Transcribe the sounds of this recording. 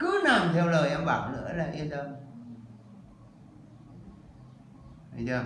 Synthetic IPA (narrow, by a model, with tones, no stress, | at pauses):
kɨ˨˦na˨˩mt̪ʰɛ˧wləː˨˩jʔɛ˧mɓa̰ː˧˩wlɨ̰˧˥əlaː˨˩ʔi˧ətə˧ | a˧jzəː˨˧˩